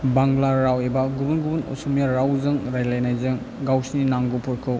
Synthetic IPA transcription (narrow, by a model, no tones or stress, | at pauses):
baŋlaɾawebaɡubunɡubunɔ̰sumjaɾawzɯŋɾajlajnajzɯŋ | ɡawsninaŋɡupʰɔɾkʰɯw